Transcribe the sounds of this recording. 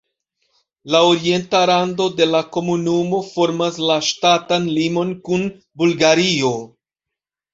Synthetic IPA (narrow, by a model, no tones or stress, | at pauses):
laoɾie̞ntaɾando̞de̞lako̞munumo̞fo̞ɾmaslaʃtatanlimo̞nkun | bulɡaɾio̞